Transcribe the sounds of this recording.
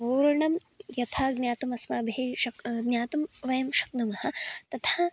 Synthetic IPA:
puːɾɐɳɐm | jɐt̪ʰaːɡnʲjaːt̪umɐsmaːbʱieʃɐkɡɲjaːt̪umʋɐjɐmʃɐ̥knumɐhɐ̆t̪ɐt̪ʰaː

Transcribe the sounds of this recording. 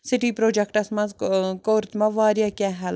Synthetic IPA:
sɪʈiːpɾoːd͡ʒɛkʈɐsmɐzkoːɾt̪mɐʋaːɾjakʲɛɦɛl

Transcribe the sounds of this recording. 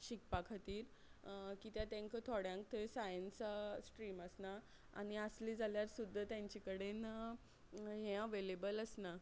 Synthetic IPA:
ɕik̚pakʰat̪iːɾ | kiːt̪jat̪ẽŋkət̪ʰɔɽjãŋk̚t̪ʰəsajənssʈɾiːməsna | a̰ɽ̃iəsliːd͡zʱaljaɾsud̪ʱːət̪jãɲt͡ɕikəɽen | ɦɛ̃əʋelebələsna

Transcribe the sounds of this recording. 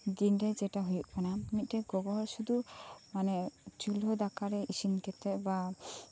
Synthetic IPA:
d̪inɾɛd͡ʒɛʈaɦujuʔkanamit̪̚ˀʈɛɡɔɡɔɦɔɾsud̪umanɛt͡ʃulɦɔd̪akaɾɛisinkɛt̪ɛba

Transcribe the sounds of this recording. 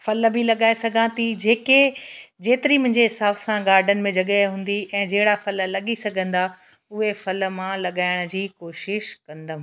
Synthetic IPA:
fɐlbʱɪlɐɠaːesɐɡʱãːt̪id͡ʑeːked͡ʑeːt̪ɪɾimʊ̃ɦɪ̃ɲd͡ʑeɦɪsaːbsãɡaːɾɖʱənɪ̆mẽd͡ʑɐɠəɦũːn̆d̪iɛ̃ːd͡ʑɐɦɪɽafɐllɐɠisɐɡʱə̃nd̪a | ʊɦefɐl̆mãlɐɠaːɪɽ̃ʊ̆d͡ʑiːkoːʃɪʃkɐ̃nd̪ə

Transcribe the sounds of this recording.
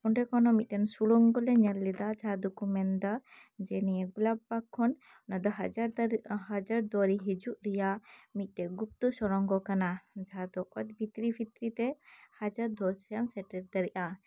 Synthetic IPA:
pɔɳɖɛkɔnɔmit̪̚ˀtɛnsuɽɔŋɡɔlɛɲɛlːɛd̪ad͡ʒad̪ukumɛnd̪a | d͡ʒɛnɛɛɡulabbakʰːɔn | nad̪ɔɦaaɾhad͡ʒaɾd̪ɔɾiɦid͡ʒuʔɾɛjamit̪̚ˀt̪ɛɡup̚t̪usɔɾɔŋɡɔkanad͡ʒad̪ɔʔɔt̪̚bʱit̪ɾibʰʱit̪ɾit̪ɛhad͡ʒaɾd̪ɔsjansɛʈɛɾd̪aɾɛʔa

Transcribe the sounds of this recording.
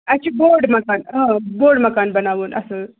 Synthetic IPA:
ɐt͡ʃʰiboːɖmɐkaːnɦãboːɖmɐkaːnbɐnaːʋuːnʔɐ̰sɐ

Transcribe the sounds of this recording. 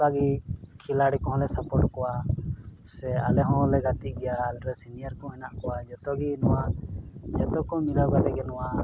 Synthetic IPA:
kaɡikʰilaɽikɔ̃ɦɔ̃lɛsapɔʈkɔwa | sɛalɛɦɔ̃lɛɡat̪iɡɛjaːlɾɛsinijaɾkɔ̃ɛnaʔkɔwad͡ʒɔt̪ɔɡinɔwad͡ʒɛt̪ɔkɔmilawɡad̪ɛɡɛnɔwa

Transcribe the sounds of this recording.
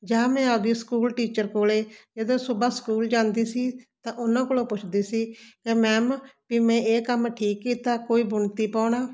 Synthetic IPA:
d͡ʒãːmɛ̃ːad̪iːskuːlʈiːt͡ʃəɾkoːleːd͡ʒəd̪õːsʊbaːskuːld͡ʒãːnd̪iːsiːt̪ãːʔʊnãːkoːloːpʊt͡ʃʰd̪iːsiːkemɛ̃ːmpɪmɛ̃ːeːkəmʈʰiːkːiːt̪aːkoːiːbʊɳt̪iːpaːɳaː

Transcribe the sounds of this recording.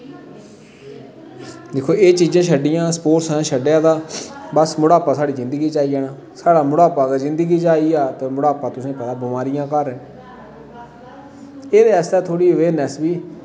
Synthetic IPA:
d̪eːkʰoːeːt͡ʃiːd͡ʒãːʃʰəɖɪjãːspoːʈsãːʃəɖjãːd̪aːbəsmʊɽaːpaːsaːɽiːzɪ̃nd̪ɡiːt͡ʃaːiːaːnaː | saːɽaːmʊɽaːpaːɡəzɪ̃nd̪əɡiːt͡ʃaːiːaːt̪eːmʊɽaːpaːt̪ʊsĩːpɛːd̪aːbʊmaːɾɪjãːkəɾɛ̃ː | eːd̪eːɛːst̪ɛːt̪ʰoːɽiːʋeːnɛːsbiː

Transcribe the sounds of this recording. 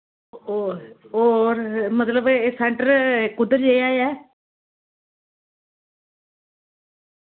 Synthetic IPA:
oːɾmət̪ləbesɛ̃ɳʈəɾkʊd̪əɾd͡ʒeaːjɛː

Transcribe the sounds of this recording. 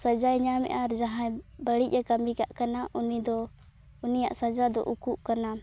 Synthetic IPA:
sad͡ʒajɲamɛ̰ʔaɾd͡ʒaɦãbəɽic̚ˀakamikaʔkanaʔunid̪ɔ | unija̰ʔsad͡ʒad̪ɔ̰ʔukuʔkana

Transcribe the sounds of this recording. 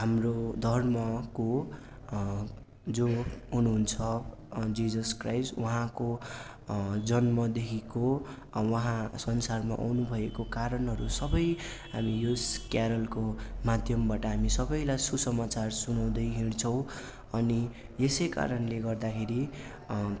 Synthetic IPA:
ɦamrod̪ʱʌrmʌko | d͡zoɦunuɦunt͡sʰʌ | d͡zid͡zʌskrajswʌɦãko | d͡zʌnmʌd̪ekʰiko | wʌɦãsʌnsarma̰ʔa̰wnubʱʌekokaɾʌnɦʌɾusʌbʌjɦamijoskjaɾʌlkomad̪ʱjʌmbaʈʌɦamisʌbʌjlajsusʌmat͡sarsunaw̃d̪ʌjɦint͡sʰʌ̃w̃ | ʌni | jesʌjka̰ɾʌnleɡʌrd̪akʰeɾi

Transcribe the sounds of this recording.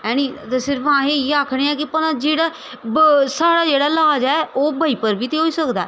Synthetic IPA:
ɛ̃ːñiːt̪esɪɾfãːɦeːieaːkʰɽ̃eːɛ̃ːkɪpənãːd͡ʒeːɽaː | saːɽaːd͡ʒeːɽaːlaːd͡ʒɛːʔoːbʱaːiːpəɾbiːt̪eːɦoːiːsəkd̪aː

